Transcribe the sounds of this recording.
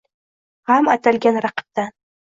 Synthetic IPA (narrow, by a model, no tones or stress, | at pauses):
ʁamat̪ʰalɡʲanɾaqɨ̥p̚t̪a